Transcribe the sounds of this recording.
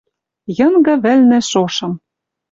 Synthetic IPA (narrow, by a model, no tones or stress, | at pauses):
jɤ̆ŋɡɤ̆βɘ̆lnĕʃoʃɤ̆m